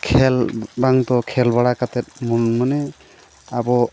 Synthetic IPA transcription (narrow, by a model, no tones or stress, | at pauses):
kʰɛlbaŋt̪ɔkʰɛlbaɽakat̪ɛt̪̚mɔnmanɛ | abɔ